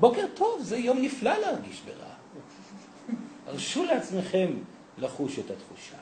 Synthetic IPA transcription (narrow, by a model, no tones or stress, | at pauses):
bo̞keʁtʰo̞vzejo̞mniflalehaʁɡiʃbḛʁa̰ | aʁʃuleat͡sme̞χe̞m | laχuʃetatχuʃa